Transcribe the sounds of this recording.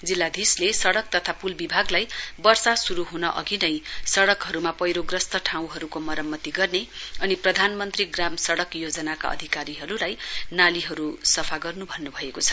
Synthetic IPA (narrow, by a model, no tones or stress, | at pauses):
d͡zilːad̪ʱislesʌɽʌk̚t̪ʌt̪ʰapulbibʱaɡlajbʌrsasuɾuɦunʌʔʌ̰ɡinʌjsʌɽʌkɦʌɾumapʌjɾoɡrʌst̪ʌʈʰaw̃ɦʌɾukomʌɾʌmːʌt̪iɡʌrneʌniprʌd̪ʱanmʌnt̪riɡramsʌɽʌkjod͡zʌnaka̰ʌ̰d̪ʱikaɾiɦʌɾulajnaliɦʌɾusʌpʰaɡʌrnubʱʌnːubʱʌekot͡sʰʌ̥